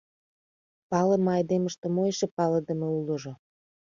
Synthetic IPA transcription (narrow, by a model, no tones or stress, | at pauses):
pɑlə̆mɑjd̪eməʃt̪ĕmojʃepɑləd̪ə̆meulə̆ʒŏ